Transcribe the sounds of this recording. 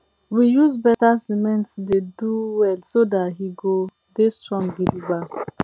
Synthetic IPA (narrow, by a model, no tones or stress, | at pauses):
wijuzbɛtasimɛ̃ntsdeduwɛlsodatɦiɡo | destɹɔ̃ŋbidiɡ͡ba